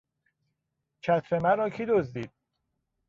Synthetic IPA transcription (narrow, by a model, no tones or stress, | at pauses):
cʰæt̪ʰɾemæɾɒːcʰid̪ozd̪iːd̪̥̚